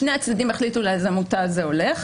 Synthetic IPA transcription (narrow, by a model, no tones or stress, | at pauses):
ʃneat͡sd̪ad̪ime̞χlit̪ulezamutazeo̞leχ